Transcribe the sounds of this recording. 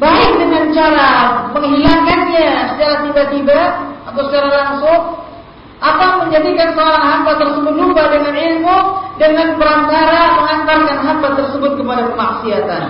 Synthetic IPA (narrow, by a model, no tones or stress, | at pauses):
baɪk̚dəŋant͡ʃaɾaməŋɦilaŋkanɲasət͡ʃaɾat̪ibat̪ibaat̪awsət͡ʃaɾalaŋsʊŋ | ʔapaməɲd͡ʒadikansəoɾaŋɦampat̪ərsəbʊt̪̚lubadəŋanilmudəŋanpəɾant̪aɾaməŋant̪arkanɦampat̪ərsəbʊt̪̚kəpadakəmaksiat̪a̰n